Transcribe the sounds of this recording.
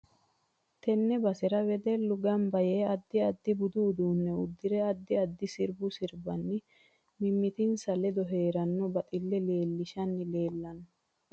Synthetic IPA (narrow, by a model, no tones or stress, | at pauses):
t̪ɛnːɛbɐsɛɾɐwɛd̪ɛlːʊɡɐmbɐjeːɐd̪ːɪɐd̪ːɪbʊd̪uːd̪uːnːɛʊd̪ːɪɾɛɐd̪ːɪɐd̪ːɪsɪɾbʊsɪɾbɐnːɪ | mɪmːɪt̪ɪnsɐlɛd̪ɔɦeːɾɐnːɔbɐt̪ʼɪlːɛle̞ːlːɪʃɐnːɪle̞ːlːɐn